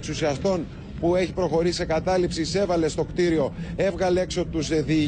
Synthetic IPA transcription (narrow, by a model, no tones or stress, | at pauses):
ksusiɐst̪o̞n | pue̞çi̥pɾo̞xo̞ɾisise̞kɐt̪ɐlipsise̞vɐle̞st̪o̞kt̪iɾio̞e̞vɣɐleekso̞t̪uzðiː